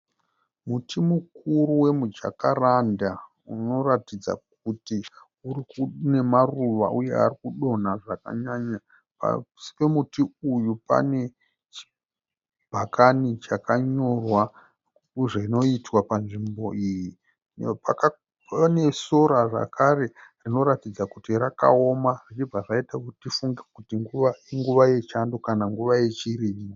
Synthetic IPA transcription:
mutʰimukuɾuwe̞mud͡ʒa̰karanda | uno̞ratid͡za̰k̚ | uti | uɾikune̞maruʋa̰ʔuje̞̰a̰rikuɗo̞naʐaka̰ɲaɲa | pa̰si̥pe̞mutiujupa̰ne̞ | t͡ʃi̥ | bʱakanit͡ʃakaɲo̞rwa | uʐaino̞itwapanʐimbo̞iji | paka | pane̞soɾaʐa̰kʰaɾe̞rino̞ɾatid͡zakutiɾaka̰o̞marit͡ʃib͡vaʐaitakutifuŋɡekutiŋɡuʋaiŋɡuʋaje̞t͡ʃandokanaŋɡuʋaje̞t͡ʃiɾiːmo

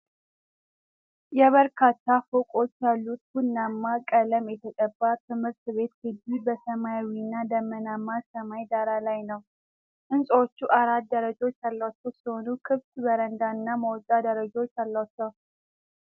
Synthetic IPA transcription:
jɛβəɾkʰat̪ːafokʼo̞t͡ʃːjalːut̪̚hunːamːakʼələmjɛt̪ʰəkʼəbːat̪ʰɨmhɨɾt̪βe̞t̪ɡɨd̪ibəsəmajwinːad̪əmənamːasəmajd̪aɾalajnəw | ʔɨnsʼwot͡ʃːuʔaɾat̪̚d̪əɾəd͡ʒo̞t͡ʃːjalːat͡ʃːəwsiho̞nukʰɨβt̪bəɾənd̪aɨnːaməwt̪ʼːad̪əɾəd͡ʒo̞t͡ʃːjalːat͡ʃːəw

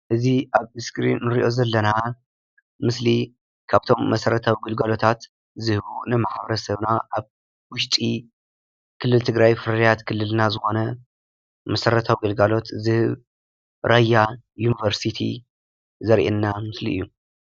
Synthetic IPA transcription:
ʔɨziʔaβɨskɾḭnːɨɾiʔo̞zɐlːɐna | mɨsli | kʰaβt̪ʰo̞mːɐsɐɾɐt̪ʰawiɡɐlɡalo̞t̪ʰat̪ | zɨhɨβunɨmaħβɐɾɐsɐβnaʔaβ | wʊʃt̪ʼi | kʰɨlːɨlt̪ʰɨɡɾajfɨɾɐɾjat̪kʰɨlːɨlnazɨxo̞nɐ | mɐsɐɾɐt̪ʰawiɡɐlɡalo̞t̪zɨhɨβ | ɾʔajːa | junivɐɾsit̪ʰḭ | zɐɾʔenːamɨslḭɨjːu

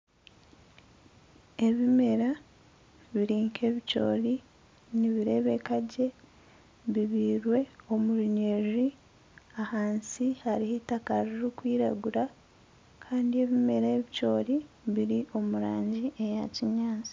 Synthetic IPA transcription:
e̞βime̞ɾa | βiɾiːŋkʰe̞βico̞̰ːɾi | niβiɾe̞ːβe̞kaɟe̞ | βiβiːɾwe̞o̞muɾuɲeʒi | ahaːnsihaɾihitakaɾiɾikwiːɾa̰ɡuɾa | kʰaːndie̞βime̞ɾaeβico̞ːɾi | βiɾiʔo̞muɾaːɲɟiʔejaciɲaːnzi̥

